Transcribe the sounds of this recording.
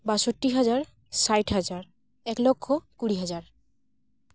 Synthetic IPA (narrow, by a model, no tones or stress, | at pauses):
baʃoʈːiɦad͡ʑaɾ | sajʈɦad͡ʑaɾ | ɛklɔkʰːokuɽiɦad͡ʑaɾ